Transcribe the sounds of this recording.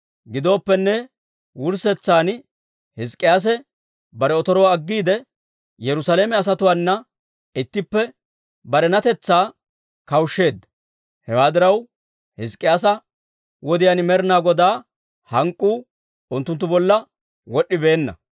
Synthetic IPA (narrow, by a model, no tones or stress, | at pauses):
ɡɪd̪o̞ːpːɛnːɛ | wʊɾsɛt͡sːaːn | hɪs̬kʼːɪjaːs̬ɛ | bɐɾɛɔt̪ɔɾoːɐɡːiːd̪ɛ | jɛɾʊsaleːmɛɐs̬ɐt̪ʊwaːnːɐ | ɪt̪ːɪpːɛ | bɐɾɛnɐt̪ɛt͡sːaː | kɐwʃːe̞ːd̪ːɐ | hɛwaːd̪ɪɾɐw | hɪskʼːɪjaːs̬ɐ | wɔd̪ɪjanmɛɾnaːɡɔd̪aː | hɐŋkʼːuː | ʊnt̪ːʊnt̪ːʊbɔlːɐ | wɔɗːɪbe̞ːnːɐ̰